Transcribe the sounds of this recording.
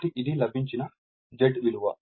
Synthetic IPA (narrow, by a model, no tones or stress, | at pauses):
ʈiʔid̪ilɐbʱiɲt͡ʃinɐ | d͡ʒeɖʋiluʋɐ